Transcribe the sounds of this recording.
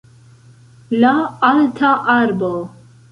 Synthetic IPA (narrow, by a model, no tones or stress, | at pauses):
laalt̪ʰaʔaɾbo